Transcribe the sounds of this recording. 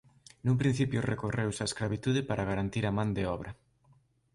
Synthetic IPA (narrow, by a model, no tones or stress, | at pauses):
numpɾĩn̟θipjʊrekorewsaesklaβit̪uðɪpaɾʔaɣaɾant̪iɾamãnd̪eɔβɾɐ